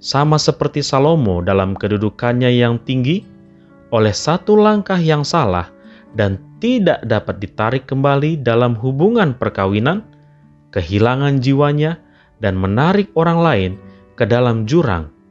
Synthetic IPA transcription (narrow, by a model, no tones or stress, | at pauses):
samasəpərt̪isalomodalamkədudukanɲajaŋt̪iŋɡi | olɛhsat̪ulaŋkahjaŋsala̰h | dant̪idaʔdapat̪̚dit̪aɾɪkːəmbalidalamɦubuŋanpərkawinan | kəɦilaŋand͡ʒiwaɲa | danmənaɾɪk̚oɾaŋlaɪn | kədalamd͡ʒuɾa̰ŋ